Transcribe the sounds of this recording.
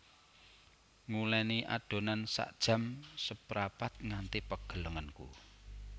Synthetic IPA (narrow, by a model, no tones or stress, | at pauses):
ŋulɛniʔa̰d̥o̤nansa̰ʔd̥ʒ̥ä̤msəpɾapat̪̚ŋant̪ipəɡ̥ə̤ləŋənkṵ